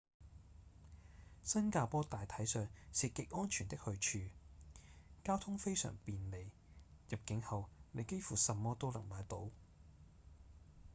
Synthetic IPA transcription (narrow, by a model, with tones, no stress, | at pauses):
sɐ˥nkaː˧pɔː˥t̪aː˨jt̪ʰɐ˨˥jsœː˨ŋsiː˨˧kɪ˨˥k̚ʔɔː˥nt͡ʃʰyː˨˩nt̪ɪ˥k̚hɵ˧ɥt͡ʃʰyː˧ | kaː˥wt̪ʰʊ˥ŋfe˥jsœ̰ː˨˩ŋpiː˨nle˨˧j | jɐ˨p̚kɪ˨˥ŋhɐ˨wne˨˧jke˥jfuː˨˩sɐ˨˧mːɔː˥t̪o˥wlɐ̰˨˩ŋmaː˨˧jt̪o˨˥w